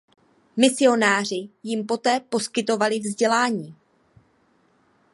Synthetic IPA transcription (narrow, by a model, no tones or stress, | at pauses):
mɪsɪo̞naːrɪjɪmpo̞t̪ɛːpo̞skɪt̪o̞valɪvzɟɛlaːɲiː